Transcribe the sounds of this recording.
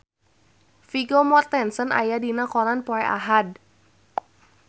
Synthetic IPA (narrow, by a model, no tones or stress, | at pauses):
fiɡomɔrt̪ɛnsəna̰jadinakɔlanpoɛʔa̰ɦad̚